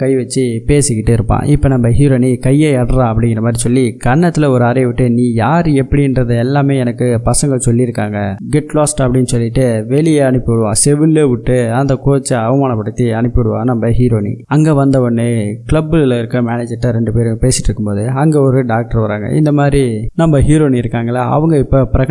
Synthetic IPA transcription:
kɐɪʋɐt͡ʃːɯpeːsɪkːɪʈːɯɪɾɯpːã̰ːʔɪpːoːnɐmbɐɦiːɾoːnikɐjːeːɛɽɐɾãːɐpːɐɽɪŋɡɪɾrɐmaːd̪ɾisɔlːikɐɳːɐt̪ːɪlɐɔɾɯaːɾɐʋɪʈːɯniːjaːɾɛpːɐɽɪɪnɾɐðɯɛlːaːmeːɛnɐkːɯpɐsɐŋɡɐɭsɔlːiɪɾɯkːaːŋɡɐɡɛʈlaːsʈɐpːɐɽɪnːɯsɔlːɪʈːɯʋɛɭɪjeːɐnɯpːɪʋɪɽɯʋãːsɛʋɪlːeːʋɪʈːɯɐnd̪ɐkoːt͡ʃːɐɐʋɐmaːnɐpːɐɽɯt̪ːiɐɳɯpːɯʋɐɽɯʋã̰ːɐnɐmbɐɦiːɾoːnḭɐŋɡeːʋɐnd̪ɐɔnːɯkɪlɐbːɯlɐɪɾɯkːɯmaːneːd͡ʒɐʈːɐɾɛɳɖɯpeːɾɯpeːsɪʈːɪɾɯkːɯmpoːðɯɐŋɡeɔɾɯɖaːk̚ʈɐɾʋɐɾaːŋɡɐ̰ʔɪ̰nd̪ɐmaːd̪ɾinɐmbɐɦiːɾoːniɪɾɯkːaːŋɡɐlaʔɐ̰ʋɯŋɡɐɪpːoːpɪɾɐɣɐ

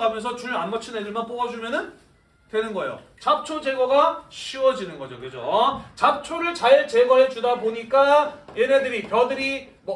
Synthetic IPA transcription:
amjʌns̬ʰʌt͡ɕuɾanmʌt͡ɕʰinedɯɭmanp͈oɡʌd͡ʑumjʌnɯn | twe̞nɯnɡʌejo̰ | t͡ɕap̚t͡ɕʰod͡ʑe̞ɡʌɡaɕʰiwʌd͡ʑinɯnɡʌd͡ʑokɯd͡ʑot͡ɕap̚t͡ɕʰoɾɯɭt͡ɕaiɭt͡ɕe̞ɡʌɦet͡ɕudaboɲik͈ajeɾe̞dɯɾipjʌdɯɾi | mʌ

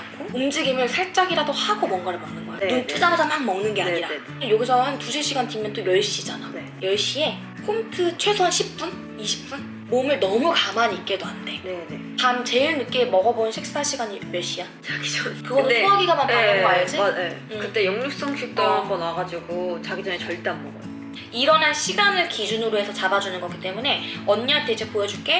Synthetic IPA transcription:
kʰoumd͡ʑiɡimɯɭsʰaɭt͡ɕ͈aɡiɾadohaɡomwʌnɡaɾɯmannɯnɡʌaeunt͡ɕ͈ʰid͡ʑ͈aɾad͡ʑamhanmʌŋnɯnɡe̞aɲiɾae | ejoɡisʰʌɦantusʰeɕʰiɡantimjʌnt͈ojʌɭɕ͈id͡ʑananejʌɭɕ͈ie̞ | kʰomtʰɯt͡ɕʰwe̞sʰwʌnɕʰip̚p͈un | iɕʰi̥p̚p͈un | momɯɭnʌmukamaɲik͈̚edoɦande̞nenetamt͡ɕe̞iɭnɯk͈emʌɡʌbonnɕʰik̚s͈ɯ̥tʰaɭɕ͈ʰiɡaɲimjʌɭɕ͈iat͡ɕaɡ̥i̥d͡ʑʌkɯɡʌnonoaɡiɡamant͈ajʌŋajʌd͡ʑiekɯt͈e̞jʌŋɲuk̚s͈ʌŋɕʰik̚t͈oakʰʌnaɡad͡ʑiɡot͡ɕaɡid͡ʑʌnet͡ɕʌɭt͈aŋmʌɡʌ | iɾʌnanɕʰiɡanɯɭkid͡ʑunɯɾoɦe̞sʰʌt͡ɕabad͡ʑunɯnɡʌk͈it͈e̞mune̞ʌnɲat͈ed͡ʑʰepojʌd͡ʑuɭk͈e̞

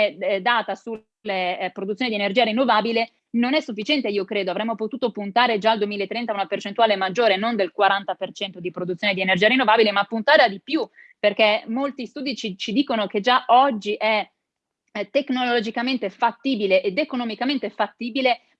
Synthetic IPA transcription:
d̪aːt̪asu | lːepɾod̪ut̪sːonid̪ienerd͡ʒiːaɾinːovaːbile | nonɛsːufːit͡ʃɛnt̪eiːokɾeːd̪oavɾɛmːopot̪uːt̪opunt̪aːɾed͡ʒaːld̪uemiːlaet̪ːɾɛnt̪aunapert͡ʃent̪uaːlemad͡ʒːoːɾenond̪elkwaɾant̪apert͡ʃɛnt̪od̪ipɾod̪ut̪sːoned̪ienerd͡ʒiaɾinːovaːbilemapːunt̪aːɾead̪ipju | perkɛmːolt̪ist̪uːd̪it͡ʃit͡ʃid̪iːkonoked͡ʒaʔɔd͡ʒːiʔɛ | t̪ːeknollod͡ʒikament̪efat̪ːiːbileʔed̪ekonomikament̪efat̪ːiːbile

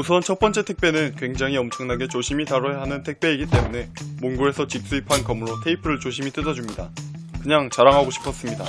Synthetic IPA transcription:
usʰʌnt͡ɕʰʌt̚p͈ʌnt͡ɕ͈e̞tʰe̞k̚p͈e̞nɯnkwe̞ŋd͡ʑaŋiʌmt͡ɕʰʌŋnaɡe̞t͡ɕoɕʰimitaɾʌjaɦanɯntʰe̞k̚p͈e̞iɡit͈e̞mune̞munɡuɾe̞sʰʌt͡ɕik̚s͈uipʰankʌmuɾotʰe̞ipʰɯɾɯɭt͡ɕoɕʰimit͈ɯdʌd͡ʑumɲida | kɯɲaŋt͡ɕaɾaŋɦaɡoɕʰi̥pʰʌs͈ɯmɲida

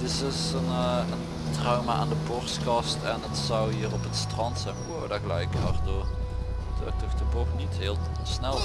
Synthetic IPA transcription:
dɪsɪsənən | trɑwmaa̰ːndəbɔrstkɑstɛnətsɑwɦiːrɔpətstrɑntsɛjnwoːdaɣəlɛ̰jkɑ̰rdoːr | dø̰ːk̚tɔxdəbɔxnitɦɪːlˠ | snɛlˠ

